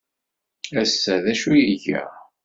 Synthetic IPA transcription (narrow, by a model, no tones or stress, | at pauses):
æsːæðæʃujiʝæ̰